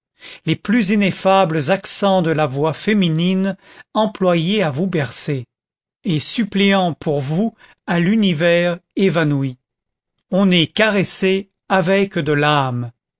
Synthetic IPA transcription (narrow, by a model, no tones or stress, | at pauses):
leplyzinefabləzaksɑ̃d̪əlavwafeminin | ɑ̃plwajeavubɛʁse | esypleɑ̃pʰuʁvu | alynivɛʁevanui | ɔ̃nɛkaʁese | avɛkd̪əlam